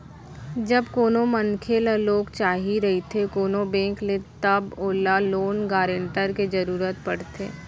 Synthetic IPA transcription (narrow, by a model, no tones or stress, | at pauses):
d͡ʒɐbkoːnomənkʰelaloːɡt͡ʃaːɦiɾɐɦit̪ʰekoːnobɛ̃ːŋklet̪ɐboːlaloːnɡaːɾẽɳʈəɾked͡ʒɐɾuːɾət̪pɐɽt̪ʰḛː